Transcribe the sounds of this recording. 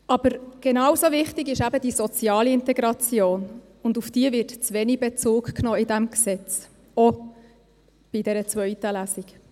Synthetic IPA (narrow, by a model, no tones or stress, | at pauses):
ɑb̥əɾɡ̥enɑwsovɪχtɪɡɪʃæbəd̥isɔt͡sjɑːliɪntɛɡɾɑt͡sjoːn | ʊndufd̥iəvɪɾtt͡sʋɛnibɛt͡suːkknɔːɪdæmksɛt͡s | ɔ | b̥idɛɾət͡svœʏtəlæsik